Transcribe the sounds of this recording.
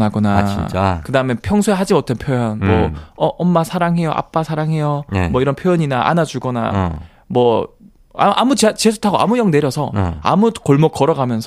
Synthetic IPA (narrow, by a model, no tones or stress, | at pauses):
naɡonat͡ɕit͡ɕakɯdaɯme̞pʰjʌŋsʰoeɦad͡ʑimʌtʰenpʰjojʌnmʌʌʔʌmːasʰaɾaŋɦe̞jo̰ʔa̰p͈asʰaɾaŋɦe̞jomwʌiɾʌnpʰjojʌɲinaʔa̰nad͡ʑuɡʌna̰ | mwʌ | a̰ʔamut͡ɕt͡ɕesʰu̥tʰaɡoʔa̰mujʌŋne̞ɾjʌsʰʌa̰mukoɭmok̚k͈ʌɾʌɡamjʌnsʰ